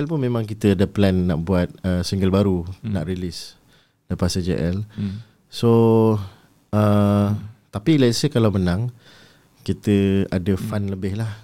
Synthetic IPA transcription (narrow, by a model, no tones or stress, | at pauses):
ɛlpʊnmẽmãŋkit̪əadəplɛnːaʔbuat̪̚əsiŋɡəlbaɾuna̰ʔɾilis | dəpasəd͡ʒə̰ʔɛl | so | ə | t̪apilaisəkalawmənãŋ | kit̪əadəfanləbɪhlah